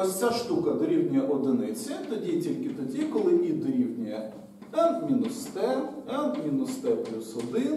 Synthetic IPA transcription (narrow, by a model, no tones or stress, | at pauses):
ɔsʲt͡sʲaʃt̪ukɐd̪ɔɾʲiwnʲijɐʔɔd̪ɪnɪt͡sʲɐt̪ɔdʲitʲilʲkɪt̪ɔdʲikɔlˠɪʔid̪ɔɾʲiwnʲijɐ | ɛmʲinʊst̪ɛɛmʲinʊst̪ɛpʲusʊd̪ɪ